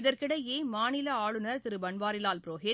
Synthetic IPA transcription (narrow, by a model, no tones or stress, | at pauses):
ɪðɐɾkɪɽɐjjeːmaːnɪlɐaːɭɯnɐɾt̪ɪɾɯbɐɳʋaːɾɪlaːlpɪɾoːɦɪ